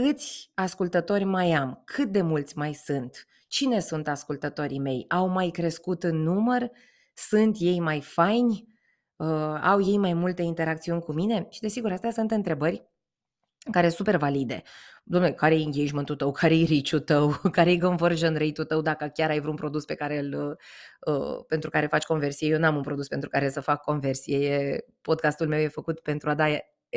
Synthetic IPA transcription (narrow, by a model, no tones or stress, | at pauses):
kɨt̪sʲaskult̪ət̪o̞rʲmajamkʰɨt̪̚d̪e̞mult̪sʲmajsɨnt̪ | t͡ʃine̞sunt̪askult̪ət̪o̞ɾime̞jawmajkɾe̞skut̪ɨnːumər | sɨnt̪je̞jmajfajnʲ | əawje̞jmajmult̪e̞int̪e̞ɾak̚t̪siunʲkumine̞ʃid̪e̞siɡuɾast̪ejasɨnt̪ɨnt̪ɾe̞bərʲ | kaɾe̞supe̞rvalid̪e̞̰ | d̪omnekaɾejjiŋɡʲieʒmɨnt̪ut̪əwkʰaɾeejɾit͡ʃut̪əwkaɾejɡoɱvərʒənɾejt̪ut̪əwd̪akəkʲaɾajvɾunpɾo̞d̪uspe̞kaɾe̞ɨləə̰pe̞nt̪ɾukaɾe̞fat͡ʃʲko̞nve̞rsijejewnuamunpɾo̞d̪uspe̞nt̪ɾukaɾesəfakːo̞nve̞rsijeje | po̞d̪̚kast̪ulme̞wje̞fəkut̪pe̞nt̪ɾuad̪ae